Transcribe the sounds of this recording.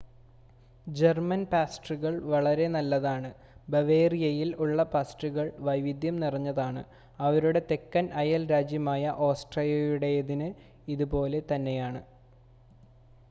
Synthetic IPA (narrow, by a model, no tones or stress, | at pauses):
d͡ʑe̞rmɐnpaːsʈrɨɣɐɭʋɐɭɐɾe̞nɐlːɐðaːɳɨ | bɐʋe̞ːrijɐjiluɭːɐpaːsʈrɨɣɐɭʋɐjʋid̪ʱjɐmnirɐɲːɐðaːɳɨ | ɐʋɐɾuɽe̞t̪e̞kːɐnɐjɐlɾaːd͡ʑjɐmaːjɐʔo̞ːsʈrɐljɐjuɽe̞ːðinɨ | iðupo̞ːle̞t̪ɐnːe̞jaːɳɨ